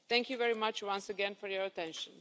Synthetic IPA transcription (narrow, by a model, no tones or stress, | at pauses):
θɛ̃ŋkʰjuvɛɹimʌt͡ʃwʌ̃nsəɡɛ̃nfɔɹjɔɹətʰɛ̃nʃə̃n